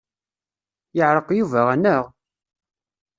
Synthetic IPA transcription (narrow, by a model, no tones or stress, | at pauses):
jəʕɾˤəqjuvæʁænəʁ